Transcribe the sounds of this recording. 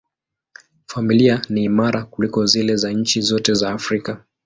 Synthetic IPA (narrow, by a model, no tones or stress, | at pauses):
familianiːmaɾʔakulikɔzilɛzaɲ̩t͡ʃizɔtɛzaːfɾika